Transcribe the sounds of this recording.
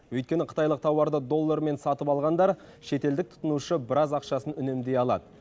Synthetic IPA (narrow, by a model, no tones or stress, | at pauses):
wɵjt̪̚kʲe̞nɪqʰə̥t̪ɑjlˠəq̚t̪ʰɑwɑɾd̪əd̪o̞lˠːɑɾme̞nsɑt̪əpɑlˠʁɑnd̪ɑɾ | ʃe̞t̪e̞ld̪ɪk̚t̪ʰʊ̥t̪ənuʃəbɪɾɑzɑqʃɑsənʏne̞md̪e̞jɑlˠɑ̰d̪ə